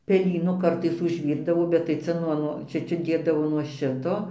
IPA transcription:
pʲɛˈlʲiːnʊ ˈkɐrtɐɪs ʊʒʲˈʋʲiːrdɐʋoː bʲɛt tɐɪ ˈt͡sʲɛ nuɔ ˈnuɔ ˈt͡ʃʲɛ ˈt͡ʃʲɛ ˈdʲeːdɐʋoː nuɔ ˈʃʲɪtoː

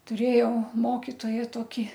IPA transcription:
tʊˈrʲeːjɛʊ ˈmoːkʲɪtoːjæː ˈtoːkʲɪ

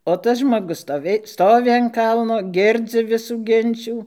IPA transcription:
oː ˈtɐs ʒmoːˈɡʊs stoːˈʋʲeːj ˈstoːʋʲɪ ɐn ˈkɐlˠnoː ˈɡʲɪrʲd͡zʲɪ ˈʋʲɪsuː ˈɡʲɪnʲt͡ʃʲuː

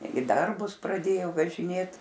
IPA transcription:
ɪ ˈdɐrbʊs prɐˈdʲeːjoː ʋɐʒʲɪˈnʲeːt

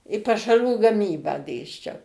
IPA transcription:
ɪ pɐʃɐˈruː ɡɐˈmʲiːbɑː ˈdʲeːsʲt͡ʃʲɛʊ

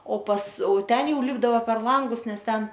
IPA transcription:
oː pɐs oː ˈtʲɛn ˈjɛʊ ˈlʲɪbdɐʋoː pʲɛr ˈlˠɐŋɡʊs ˈnʲɛs ˈtʲɛn

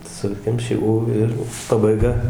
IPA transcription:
ˈsʊkʲɛmʲʃʲɪ uː ˈɪr pɐbɐɪˈɡɐ

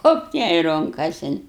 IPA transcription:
ˈɣoːpt jɛɪ ˈrʊŋkɐsʲɪn

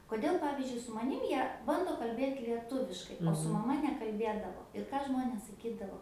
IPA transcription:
koːˈdʲeːlˠ ˈpɑːʋʲɪzʲd͡ʒʲʊɪ sʊ mɐˈnʲɪm ˈjiɛ ˈbɐndoː kɐlʲˈbʲeːt lʲiɛˈtʊʋʲɪʃkɐɪ oː sʊ mɐˈmɐ nʲɛkɐlʲˈbʲeːdɐʋoː ɪr ˈkɑː ˈʒmoːnʲeːs sɐˈkʲiːdɐʋoː

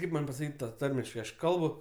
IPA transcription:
ˈkɐɪp mɐnʲ pɐsɐˈkʲiːtʲ ˈtɑː ˈtɐrʲmʲɪʃkɐɪ ˈɐʃ ˈkɐlˠbʊ

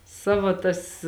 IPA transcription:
ˈsɑːʋɐ tɐs

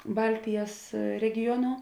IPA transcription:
ˈbɐlʲtʲɪjɛs rʲɛɡʲɪˈjoːnoː

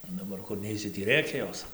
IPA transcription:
oː dɐˈbɐr kʊr ˈnʲɛɪsʲɪ tʲiː ˈrʲeːkʲɛ ˈjoːs

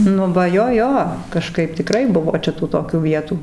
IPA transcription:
ˈnʊ ʋɐ ˈjoː ˈjoː kɐˈʃkɐɪp tʲɪˈkrɐɪ ˈbʊʋoː ˈt͡ʃʲɛ tuː toːˈkʲuː ˈʋʲiɛtuː

